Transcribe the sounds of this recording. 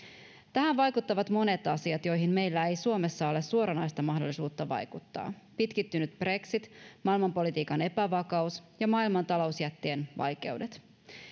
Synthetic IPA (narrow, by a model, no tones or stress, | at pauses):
t̪æɦænʋɑjkut̪ːɑʋɑt̪mo̞ne̞t̪ɑsiɑt̪jo̞jɦimme̞jlːæejsuo̞me̞sːɑo̞le̞suo̞ɾɑnɑjst̪ɑmɑɦdo̞lːisuːt̪ːɑʋɑ̰jkut̪ːɑ̰ːpit̪kit̪ːynyt̪b̥re̞ksit̪mɑilmɑmpo̞lit̪iːkɑne̞pæʋɑkɑusjɑmɑːilmɑnt̪ɑlo̞usjæt̪ːeːnʋɑ̰jk̟e̞̰wde̞t̪